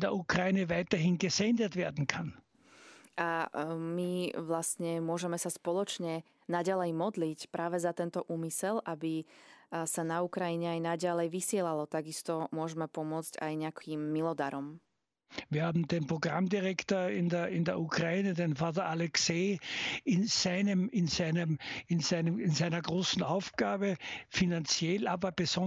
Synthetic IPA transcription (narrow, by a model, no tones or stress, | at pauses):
ndɛɐʔukʁaiːnɛvaɪt̪ɐɦinɡezɛnd̪ɛt̪ʋɛːɐd̪n̩kʰan | ʔamiʋlastɲɛmʊɔʒɛmɛsaspɔlɔt͡ʃɲɛ | naɟalɛjmɔd̪licpɾʔaːʋɛzat̪ɛnt̪ɔʔuːmisɛlʔabi | sanaukɾaiɲɛajnaɟalɛjʋisɪɛlalɔt̪aɡist̪ɔmʊɔʒɛmɛpɔmʊɔt͡sca̰jɲɛakimːilɔd̪aɾɔm | ʋiːɐhaːbm̩d̪enpʁoɡ̥ʁamd̪iʁɛkt̪oːɐɪndɛɪndɛɐukʁaiːnɛd̪enfaːt̪̬ɐʔalɛkseːɪnz̥aɪnɛmɪnzaɪnɛmɪnzaɪnəɪnzaɪnɐɡʁoːsn̩aʊfɡ̥aːbɛfinant͡sjɛlaːbɐbezɔ